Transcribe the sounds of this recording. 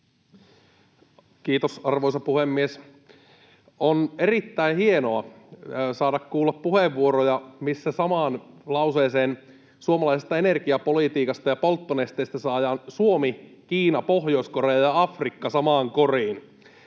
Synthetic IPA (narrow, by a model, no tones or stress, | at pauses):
kiːt̪osɑrʋoisɑpuhemːies | onerit̪ːæihienoɑ | sɑːdɑkkuːlːɑppuheʋːuoɾojɑmisːæsɑmɑːnlɑuseːseːn | suomɑlɑisest̪ɑenerɡ̥iɑpolit̪iːkɑst̪ɑjɑpolt̪ːonest̪ejst̪æsɑːjɑːnsuomi | kiːnɑpohjo̞iskorejɑjɑɑfrikːɑsɑmɑːŋkoriːn